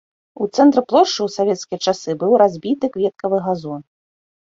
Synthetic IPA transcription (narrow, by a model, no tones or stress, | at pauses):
ut̪sɛnt̪ɾɨplˠɔʂt͡ʂɨwsavʲɛt̪skʲijɐt͡ʂasɨbɨwɾazʲbʲit̪ɨkvʲɛt̪̚kɐvɨɣazɔn